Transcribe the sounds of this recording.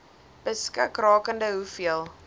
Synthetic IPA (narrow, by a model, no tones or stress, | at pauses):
b̥əskəkrɑːkəndəɦufiəlˠ